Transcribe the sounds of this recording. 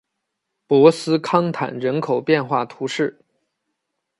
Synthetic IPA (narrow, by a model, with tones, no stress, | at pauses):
pwɔ˧˥sɹ̩˥kʰɑ˥ŋt̪ʰa̰˨˩nɻə˧˥nkʰo˨˩ʊpjɛ˥˧nxwa˥˩t̪ʰu˧˥ʂɻ̩˥˩